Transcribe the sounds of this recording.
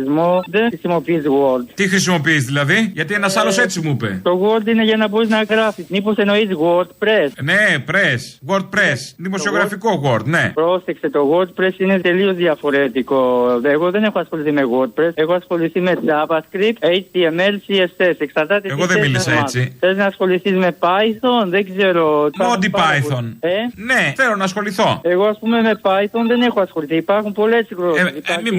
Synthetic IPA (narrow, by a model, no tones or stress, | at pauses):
zmoðexɾisimo̞piizɣoɾd̪t̪ixɾisimo̞piizðilɐðiʝɐt̪ienɐsɐlose̞t͡simuipḛt̪o̞ɣoɾd̪ineʝɐnɐbo̞ɾiznɐɣɾɐfiznipo̞se̞no̞izɣwoɾd̪̚pɾesnepɾesɣwoɾd̪̚pɾesðimosio̞ɣɾɐfiko̞ɣo̞ɾd̪ne̞̰pɾosekse̞t̪o̞ɣo̞ɾd̪̚pɾe̞sine̞t̪e̞lio̞zðiɐfo̞ɾet̪iko̞eɣo̞ðe̞ne̞xoɐsxo̞liθime̞ɣoɾd̪̚pɾesexoɐsxo̞liθime̞t͡sɐbɐskɾip̪ejt͡ʃt̪iemelsiesese̞ksɐɾt̪ɐt̪eeɣoðemilisɐesiθeloznɐːsxo̞liθizme̞pɐjθonðeɡze̞ɾo̞ɐod̪ipajθoneneθelonɐːsxo̞liθo̞e̞ɣo̞ɐspume̞me̞pɐjθonðe̞ne̞xoɐsxo̞liθiːpɐɾxumpo̞le̞siɣɾoipɐmi